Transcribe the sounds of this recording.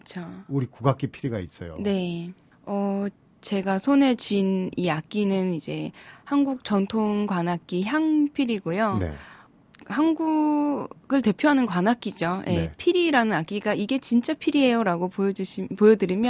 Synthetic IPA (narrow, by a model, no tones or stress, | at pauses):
kɯt͡ɕʰouɾikuɡak͈ipʰiɾiɡais͈ʌ̰jo̰ne̞ | ʌ | t͡ɕe̞ɡasʰone̞t͡ɕɥiniak͈inɯnid͡ʑe̞hanɡuk̚t͡ɕ͈ʌntʰoŋkwanak̚k͈içjaŋpʰiɾiɡojonḛ | hanɡu | ɡɯɭte̞pʰjoɦanɯnkwanak͈id͡ʑojʔe̞pʰiɾiɾanɯnak͈iɡaiɡe̞t͡ɕint͡ɕ͈apʰiɾiɦe̞joɾaɡopouɕʰpojʌdɯɾimjʌ